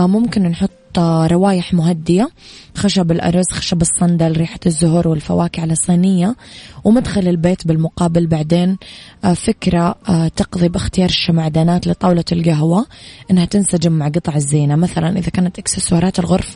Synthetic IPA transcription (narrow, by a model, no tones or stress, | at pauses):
mʊmkɪnnħʊt̪ˤːɾˤɑwaːjɪħmʊɦad̪ːɪjaxaʃabɪlʔɑ̰ɾˤzxaʃabɨsˤːɑnd̪alɾiːħḁzːʊɦɾˤwɪlfa̰waːkɪʕalɑsˤiːnɪjːawmad̪xalɪlbeːt̪bɪlmʊqɑːbɪlbaʕd̪eːnfɪkɾˤat̪ɑqðˤibɪxt̪ɪjɑːɾˤʃamaʕd̪aːnaːt̪lɪt̪ˤɑːwlɑlɡaɦwaʔɪnːhat̪ɪnsad͡ʒɪmːaʕɡɨt̪ˤʕɪzːeːnamaθalanʔɪðakaːnat̪ʔɪksɪswɑːɾˤɑːt̪ɪlɣʊɾf